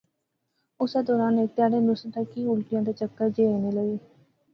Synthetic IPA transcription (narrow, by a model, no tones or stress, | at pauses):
ʊseːd̪ɔːɾaːneːk̚t̪ɪjaːɽeːmɾʊsʈ̪ʰakiːʊlʈɪjãːd̪aːt͡ʃəkːəɾd͡ʒeːeːneːləɡeː